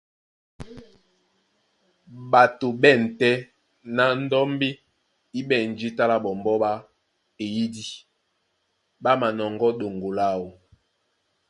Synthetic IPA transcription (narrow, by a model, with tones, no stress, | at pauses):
ba˨to˨bɛ˦˨n̩˨tɛ˦ | na˨n̩˦dɔ˦mbe˦ | i˦bɛ˦˨n˨d͡ʒi˦ta˦la˦bɔ˨mbɔ˦ɓa˦ | e˨ji˦di˦ | ba˦ma˨nɔ˨ŋɡɔ˦do˨ŋɡo˨la˦˨wo˨